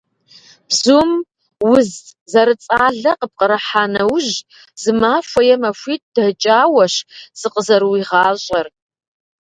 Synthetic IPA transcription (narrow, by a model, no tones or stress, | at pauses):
b̥zum | wʊzzɐɾɨt͡sʼaːɮɐqəp̚qʼəɾɐħaːnɐwʒ | z̥ɨmaːfʷɐjɛmɐfʷiːt̚ʰd̥ɐt͡ʃʼaːwɐɕz̥ɨqəzɐɾwiːʁɑːɕʼɐr